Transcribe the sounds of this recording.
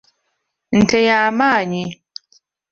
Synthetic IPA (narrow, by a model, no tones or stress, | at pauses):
n̩tɛjamaːɲi